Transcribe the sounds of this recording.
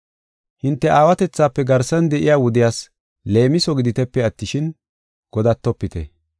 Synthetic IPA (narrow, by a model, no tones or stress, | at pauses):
hɪnt̪ːɛʔaːwɐt̪ɛt͡sːaːpːɛɡɐɾsɐnd̪ɛʔɪjaːwɔd̪ɪjaːs | le̞ːmɪsɔɡɪd̪ɪt̪ɛpːɛɐt̪ːɪʃɪn | ɡ̥ɔd̪ɐt̪ːɔpːɪt̪ɛ̰